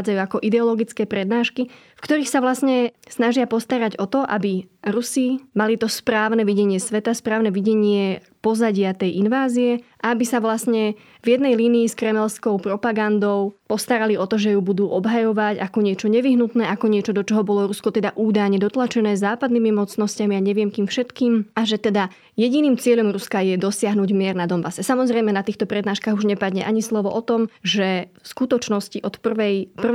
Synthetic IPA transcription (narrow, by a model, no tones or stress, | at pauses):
d͡zajuakɔʔid̪ɛɔlɔɡit͡skɛːpɾɛd̪naːʃki | fkt̪ɔɾiːxsaʋlasɲɛsnaʒɪapɔst̪aɾaɟɔt̪ɔʔa̰biɾusimalit̪ɔspɾaːʊnɛʋiɟɛɲɪɛsʋɛt̪aspɾaːʊnɛʋiɟɛɲɪɛ | pɔzaɟɪat̪ɛjʔinʋaːzijɛʔaabisaʋlasɲɛ | vjɛd̪nɛjliːniːskɾɛmɛlskɔʊpɾɔpaɡand̪ɔʊpɔst̪aɾaliɔt̪ɔʒɛjubud̪uːʔɔbɦajɔʋacakɔɲɪɛt͡ʃɔɲɛʋiɦnut̪nɛːʔakɔɲɪɛt͡ʃɔd̪ɔt͡ʃɔɦɔbɔlɔɾuskɔt̪ɛd̪aʔuːd̪ajɲɛd̪ɔt̪lat͡ʃɛnɛːzaːpad̪nimimɔt͡snɔscamiaɲɛʋɪɛmkiːmfʃɛt̪kiːmaʒɛt̪ɛd̪a | jɛɟiniːmt͡sɪɛʎɔmɾuskajɛd̪ɔsɪaɦnuːɟmɪɛɾnad̪ɔmbasɛsamɔzɾɛjmɛnat̪iːxt̪ɔpɾɛd̪naːʃkaːɣuʒɲɛpad̪ɲɛ̰ʔaɲislɔʋɔʔɔt̪ɔmʒɛfskut̪ɔt͡ʃnɔsciʔɔt̪pr̩ʋɛjpr̩